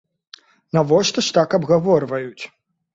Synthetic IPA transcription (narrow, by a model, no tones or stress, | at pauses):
nɐvɔʂt̪ɐʂt̪akɐbɣavɔrvɐjut͡sʲ